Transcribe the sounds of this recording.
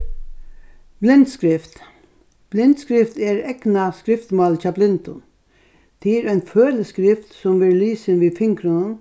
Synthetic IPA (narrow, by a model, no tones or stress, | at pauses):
b̥lɪnt̪skɾɪft̪ | b̥lɪnt̪skɾɪft̪ɛɹɛknaskɾɪft̪mɑlt͡ʃʰaːblɪnt̪ʊn | t̪ʰɪːɾæɪnføːləskɾɪft̪sɔmʋɪɾliːsɪnʋiːfɪŋkɾənən